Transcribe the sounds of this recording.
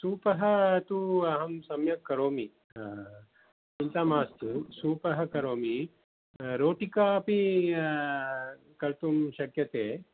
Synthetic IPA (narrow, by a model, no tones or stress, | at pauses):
suːpɐɦɐ̆t̪uɐɦɐmsɐmjɐkːɐɾoːmi | int̪aːmaːst̪usuːpɐɦɐ̆kɐɾoːmi | ɾoːʈikaːpi | kɐɾt̪umʃɐkjɐt̪eː